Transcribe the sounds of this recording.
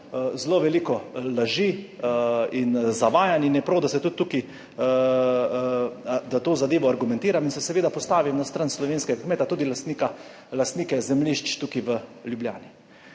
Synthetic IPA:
zloʋɛlikɔlaʒi | inzaʋaːjaninjɛpɾawd̪asɛt̪ut̪ːuki | d̪at̪oːzad̪eːʋɔaɾɡumɛ̃nt̪iːɾaminsɛsɛʋeːd̪apɔst̪aːʋimnast̪ɾanslɔʋeːnskɛɡakmeːt̪at̪uːd̪ilast̪nika | last̪niːkɛzɛmliʃt͡ʃt̪ukiʋəljublja̰ːni

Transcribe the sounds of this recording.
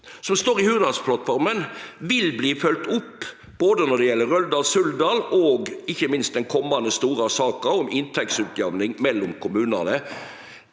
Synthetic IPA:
sɔmst̪oːɾɪhʉːd̪ɑlspʰlɑt̪ːfɔɾmənʋɪlbliːfœlt̪ʊpː | b̥oːd̪ənɔd̪ɛjɛlːəɾœld̪ɑːlsʉld̪ɑːlɔːɡɪçːəmɪnst̪̚d̪ɛnkʰɔmːɑnd̪əst̪uːɾɑsɑːkəɔmɪnt̪ʰɛksʉːt̪jœʋnɪŋmɛlːɔmkʰʊmʉːnə̰nə

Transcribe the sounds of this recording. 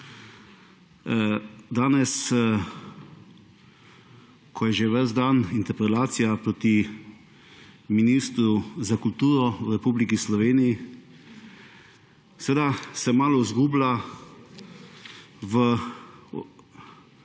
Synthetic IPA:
d̪aːnɛs | kʰɔjɛʒeʋəzd̪anint̪ɛɾpɾɛlaːt̪sijapɾoːt̪i | miniːst̪ɾuzakult̪uːɾɔwɾɛpuːblikislɔʋeːniji | sɛʋeːd̪asɛmaːlɔizɡuːbla | ʋə

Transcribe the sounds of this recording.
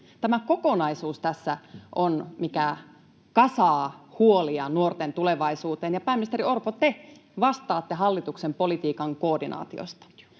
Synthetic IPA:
t̪æmækokonɑisuːst̪æsːæʔonmikæ | kɑsɑːhuoliɑnuort̪ent̪uleʋɑisuːt̪eːnjɑpæːminist̪eɾiorpot̪e | ʋɑst̪ɑːt̪ːeɦɑlːit̪uksempolit̪iːkɑŋkoːdinɑ̰ːt̪io̰st̪ɑ̥

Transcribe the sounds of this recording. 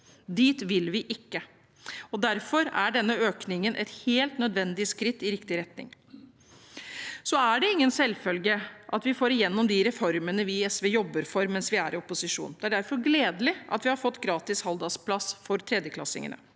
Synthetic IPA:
d̪iːt̪ʋɪlʋɪʔɪkːə | ɔd̪æɾfɔɾæɖɛnːəøːknɪŋənʔɛ̰t̪heːlt̪nœd̪ʋɛnd̪ɪəskɾɪt̪ːɪɾɪkt̪ɪɾɛt̪nɪ̰ŋ | sɔæɖɛɪŋːənsɛlːfœlɡəʔɑt̪ʋɪfoːɾɪjɛnːɔmd̪ɪɾɛfɔɾmənəʋɪɛsʋɛːjɔbːəɾfɔɾmɛnsʋɪæɾɪɔpʊsɪʂṵːnd̪ɛæɖæɾfɔɾɡleːd̪əlɪʔɑ̰t̪ʋɪhɑɾfɔt̪ːɡɾɑːt̪ɪshɑld̪ɑspʰlɑsfɔɾt̪ʰɾɛd̪jəkʰlɑ̰sɪ̰ŋə̰nə̰

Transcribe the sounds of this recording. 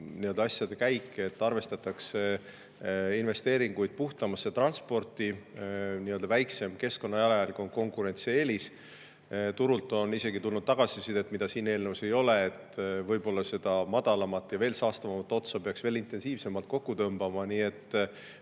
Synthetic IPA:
niø̞ld̪ɑɑsʲjɑd̪e̞kæjkːˑeet̪ːɑrve̞st̪ɑt̪ːˑɑkse | inve̞st̪e̞ːɾiŋɡujd̪̚puht̪ɑmɑsːet̪rɑnspo̞rt̪iniø̞ld̪ɑvæjkse̞mke̞sko̞nːɑjɑleɑlko̞nko̞ŋkuɾe̞nt̪sieːlis | t̪uɾult̪ːˑo̞nise̞ɡit̪ulnudt̪̚t̪ɑɡ̥ɑsisid̪e̞t̪ːˑmid̪ɑsiːne̞ːlnəvuse̞jo̞le̞et̪vɤ̞jbo̞lːɑse̞d̪̥ɑmɑd̪ɑlɑmɑt̪ːˑjɑve̞ːlsɑːst̪ɑvɑmɑt̪ːˑo̞t̪sɑpeɑksve̞ːlint̪ˑe̞nsiːvse̞mɑlt̪̚ko̞kːut̪ɤmbɑmɑniːe̞t̪ːˑ

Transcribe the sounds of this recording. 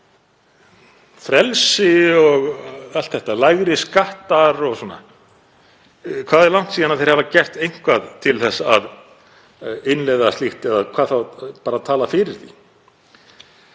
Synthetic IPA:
fɾɛlsɪɔɣalt̪θɛht̪alajɣɾɪskaht̪aɾɔɣsɔːnːa̰ | kʰvaːðɛɾlawn̥t̪siːanaθejɾhɛvacɛr̥t̪ejŋ̥kvaðt̪ʰɪlθɛsːaað | ɪnlɛjðast̪liht̪ɛðakʰv̥aːðθawpaːɾat̪ʰaːlafɪɾɪɾ̥θḭ

